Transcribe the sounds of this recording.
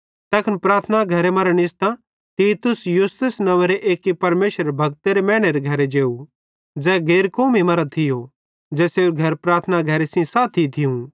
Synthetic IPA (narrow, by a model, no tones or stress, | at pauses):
t̪ɛːkʰɐnpɾaːt̪ʰənaɡʱɐɾemɐɾɽ̃ɪst̪ã | t̪iːt̪ʊsjʊst̪ʊsnɐʋeɾeʔeːkːipɐɾmeːʃəɾbʱɐɡ̚t̪eɾemɛ̃ːɽ̃eɾeɡʱɐɾed͡ʒeːu | d͡ʒɛːɡeːɾkoːmimɐɾət̪ʰɪjo | d͡ʒɛːseːɾuɡʱɐɾpɾaːɾt̪ʰənaɡʱɐɾesĩsaːt̪ʰit̪ʰɪũ